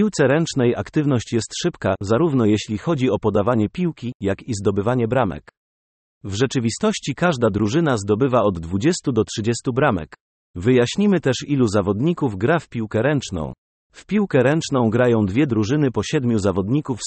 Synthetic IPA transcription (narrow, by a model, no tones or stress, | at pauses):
iwt̪sɛɾɛnt͡ʂnɛja̰kt̪ɘvn̪ɔɕt͡ɕjɛst̪ʂɘpkazaɾuvn̪ɔjeɕlʲixɔd͡ʑiɔpɔd̪avaɲɛpʲiwkʲijakizd̪ɔbɘvaɲɛbɾamɛ̰k | vʐɛt͡ʂɘvʲist̪ɔɕt͡ɕikaʐd̪ad̪ɾuʐɘn̪azd̪ɔbɘvaɔd̪ːvud͡ʑɛst̪ud̪ɔtʂɘd͡ʑɛst̪ubɾamɛ̰k | vɘjaɕɲimɘt̪ɛʂiluzavɔd̪ɲikuvɡɾafpʲiwkɛɾɛnt͡ʂnɔ̰̃w̃ | fpʲiwkɛɾɛnt͡ʂnɔ̃w̃ɡɾajɔ̃w̃d̪vʲjɛd̪ɾuʐɘnɘpɔɕɛd̪mʲjuzavɔd̪ɲikuf